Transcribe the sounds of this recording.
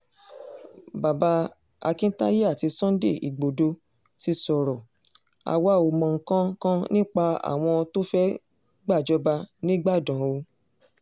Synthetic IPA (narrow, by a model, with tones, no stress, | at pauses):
ba˨ba˧˦ | a̰˧kĩ˦ta̰˦je˦a˦˨ti˧sɔ̃˦dḛ˦˨ḭ˨ɡ͡bo˨do˧ | ti˧sɔ˨ɾɔ˨ | a̰˨wa˦˨o˨mɔ̃˨ŋ̩˨kã˦kã˦nĩ˦k͡pa˧a̰˨w̃ɔ̃˧to˦fɛ˦ | ɡ͡ba˦˨d͡ʒɔ˦ba˧nĩ˦ɡ͡ba˦˨dã˨o˧